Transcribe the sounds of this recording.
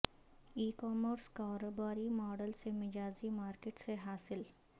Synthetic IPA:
iːkɔːməɾskaːɾoːbaːɾimɔːɖəlsemɪd͡ʒaːzimaːɾkeʈseɦaːsɪl

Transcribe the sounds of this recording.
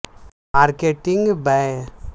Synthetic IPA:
maːɾkeʈiŋɡbɛ

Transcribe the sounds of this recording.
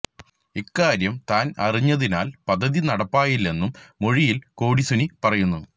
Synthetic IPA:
ikːaːɾjɐmt̪aːnɐriɲːɐðina̰ːlpɐd̪ʱːɐðinɐɽɐpːaːjilːe̞nːumːo̞ɻijilko̞ːɽisunipɐrɐjunːu

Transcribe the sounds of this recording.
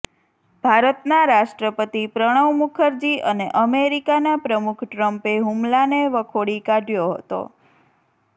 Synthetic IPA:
b̥ʱaɾət̪naɾaʃʈɾəpət̪ipɾəɽ̃əʋmukʰəɾd͡ʒiʔəneʔəmeɾikanapɾəmukʰʈɾəmpeɦumlaneʋəkʰoɽikaɖjoɦə̰t̪o̰

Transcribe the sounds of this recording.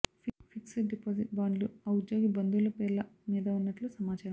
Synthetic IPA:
ifʰiksɖipoːsiʈ̚baːɳɖluɐwud̪d͡ʒoːɡibɐnd̪ulɐpeːlːɐmiːd̪ɐunːɐʈlusɐmaːt͡ʃaːɾɐm

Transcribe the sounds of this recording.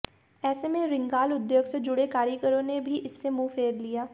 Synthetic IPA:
ɛːsemẽɾɪ̃ŋɡaːlʊd̪joːɡsed͡ʒʊɽekaːɾikəɾõnebʱiʔɪsːemũːfʰeːɾlijaː

